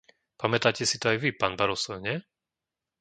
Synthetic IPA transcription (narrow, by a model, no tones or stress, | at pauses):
pamɛt̪aːcɛsit̪ɔajʋipaːnbaɾɔsɔʊɲɛ